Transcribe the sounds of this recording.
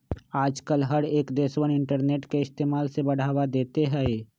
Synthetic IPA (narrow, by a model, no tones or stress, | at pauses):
aːd͡ʒkəlɦəɽeːkd̪eːswənɪ̃ɳʈəɾneːʈkeɪst̪eːmaːlsebɐɽ̤aːwad̪eːt̪eɦɛ